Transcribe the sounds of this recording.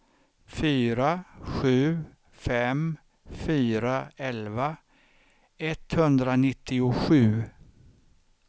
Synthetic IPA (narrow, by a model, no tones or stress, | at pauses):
fyːɾaɧʉ̟ː | fɛm | fyːɾaɛlva | ɛt̪hɵnd̪ɾanɪt̪ʰːɪʊɧʉ̟ː